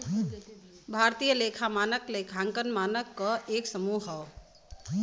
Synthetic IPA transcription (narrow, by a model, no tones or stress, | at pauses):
bʱaɾt̪ijəlekʰamanəklekʰãŋkənmanəkːəʔeksəmuɦʌw